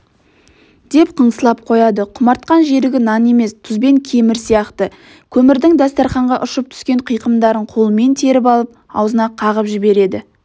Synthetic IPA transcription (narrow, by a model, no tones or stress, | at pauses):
d̪̥e̞pqʰəɴsəlˠɑp̚qʰo̞jɑd̪əqʰʊmɑɾt̪̚qɑnʒe̞ɾɪɡʲɪnɑne̞me̞st̪ʰʊzbe̞ŋkʲʰe̞mɪɾsijɑqt̪ə | kʲʰɵmɪɾd̪ɪŋd̪ɑst̪ɑɾχɑɴʁɑʔʊʃəp̚t̪ʰʏ̥skʲe̞ɴqʰəjqəmd̪ɑɾəɴqʰo̞lˠəme̞nt̪ʰe̞ɾɪp̬ɑlˠəp̚ɑ̰wzənɑqʰɑʁəpʒɪbe̞ɾe̞d̪ɪ